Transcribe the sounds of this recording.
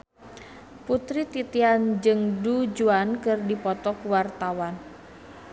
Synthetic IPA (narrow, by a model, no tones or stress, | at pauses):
put̪ɾit̪it̪iand͡ʒɨŋdud͡ʒuankɨrdipɔt̪ɔkuwart̪awan